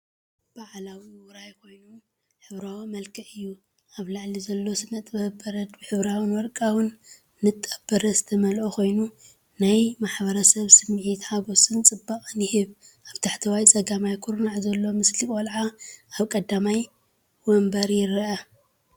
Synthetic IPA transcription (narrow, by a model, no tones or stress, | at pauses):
b̥aʕlawiwʊɾajkʰo̞jnom | ħɨβɾawmɐlkʰɐʔɨjːu | ʔaβlaʕlizɐlːo̞sɨnːɐt̪ʼbɐbɐɾɐd̪bħɨβɾawɨnwɔlkʼawɨnː | ɨt̪ʼːɐbɐɾɐzɨt̪ʰɐmɐlʔokʰo̞jnu | najmaħbɐɾɐsɐβsɨmːʕit̪haɡo̞sʼɨnt͡sʼɨbːaχʼɨnjɪhɨβ | ʔaβt̪ʰaħt̪ʰɐwajt͡sʼɐɡamajkʰuɾnaʕzɐlːo̞mɨslikʼolʕaaβkʼɐd̪amaj | wɔmbɐɾjɪɾɐʔɐ